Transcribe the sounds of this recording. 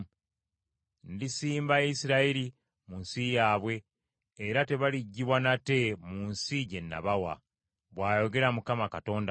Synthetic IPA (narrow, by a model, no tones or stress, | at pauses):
ndisiːmbaisiɾaiɾi | munsijaːβwe̞ː | ɾate̞βaliɟːiβwanate̞munsiɟe̞nːa̰βawa̰ | βwaːjo̞ɡe̞ɾamukamakato̞ːnda